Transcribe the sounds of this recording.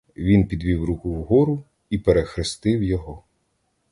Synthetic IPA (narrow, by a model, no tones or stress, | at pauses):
ʋʲinpʲid̪ʲʋʲiwɾukʊwɦɔɾʊ | ipeɾexɾɪst̪ɪwjɔɦɔ